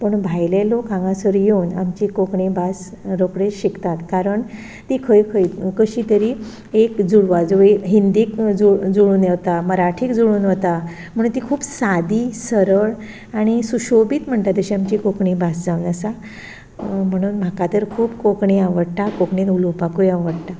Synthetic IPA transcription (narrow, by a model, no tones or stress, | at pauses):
pəɳbʱajlelokãŋɡãsəɾjenamt͡ɕikokɳẽbas | ɾokɽeɕikt̪at̪kaɾəɳ | t̪iːkʰəjkʰəj̪kəɕiːt̪əɾiː | ekd͡zuɽʋad͡zoeɦind̪iːkd͡zud͡zuɽuːnjeʋt̪aməɾaʈʰiːkd͡zuɽuːnɦot̪a | m̤əɽ̃uːnt̪̬ikʰuːbsad̪iːsəɾəɭ | aɽ̃isuɕobiːt̪m̤əɳʈ̪at̪əɕiamt͡ɕikokɳibasd͡zaʋnəsa | m̤əɽ̃uːnm̤akat̪əɾkʰuːbkokɳeaʋəɽʈ̪akokɳẽnulopakujaʋəɽt̪a